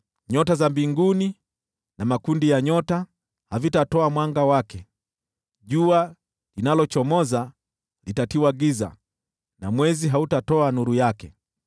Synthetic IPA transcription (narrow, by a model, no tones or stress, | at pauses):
ɲɔtazambiŋɡuni | namakundijaɲɔta | havitatɔamwaŋɡawakɛ | ʄua | linalɔt͡ʃɔmɔza | litatiwaɡiza̰ | namwɛziɦautatɔanuɾujakɛ